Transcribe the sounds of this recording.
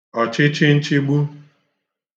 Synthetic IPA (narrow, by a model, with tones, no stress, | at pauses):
ɔ˨t͡ʃɪ˦t͡ʃɪ˦n̩˦t͡ʃɪ˦ɡ͡bu˦